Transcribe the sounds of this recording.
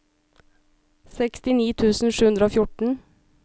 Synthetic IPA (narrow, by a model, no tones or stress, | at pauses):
sɛkst̪ɪniːt̪ʰʉːsn̩ʃʉːʉnd̪ɾəoːfjʊʈɳ̩